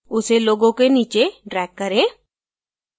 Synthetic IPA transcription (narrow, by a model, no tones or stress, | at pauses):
ʊseloːɡõkeniːt͡ʃeɖɾɛːkːɐɾẽː